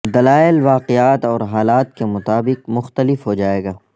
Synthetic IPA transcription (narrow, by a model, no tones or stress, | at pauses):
d̪ɐlaːɪlʋaːqɪaːt̪ɔːɾɦaːlaːt̪kemʊt̪aːbɪqmʊxt̪əlɪfɦod͡ʒaːeːɡaː